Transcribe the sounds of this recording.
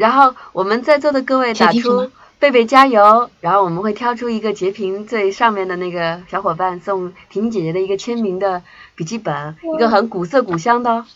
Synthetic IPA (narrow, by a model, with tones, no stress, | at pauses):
ɻa˧˥nxo˥˩ʊwɔ˨˩mə˦nt͡sa˥˧ɪt͡swɔ˥˩d̪ə˩kɤ˥˧we˥˩ɪt̪a˨˩ʈ͡ʂʰu˥ | pe˥˧ɪp̬e˥˩ɪt͡ɕja˥jo˧˥ʊɻa˧˥nxo˥˩ʊwɔ˨˩mə˦nxwe˥˩ɪt̪ʰjɑ˥˧ʊʈ͡ʂʰu˥i˧˥ɡə˧t͡ɕjɛ˧˥pʰi˧˥ŋt͡swe˥˧ɪʂɑ˥˧ŋmjɛ˥˩nd̪ə˩na˥˩ɡə˩ɕjɑ˧˥ʊxwɔ˨˩pa˥˧nsʊ˥˧ŋt̪ʰi˧˥t͡ɕjɛ˨˩t͡ɕɥɛ˧˥d̪ə˧i˧˥ɡə˧t͡ɕʰjɛ˥nmi˧˥ŋd̪ə˧ | pi˨˩t͡ɕi˥˩pə˨˩˦ni˧˥ɡə˧xə˧˥nku˨˩sɤ˥˩ku˨˩ɕjɑ˥ŋd̪ə˨˧